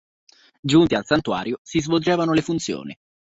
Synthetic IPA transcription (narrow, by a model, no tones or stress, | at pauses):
d͡ʒunt̪ialsant̪ua̰ːɾjosizvold͡ʒɛːvanolefunt̪sjo̰ːnḭ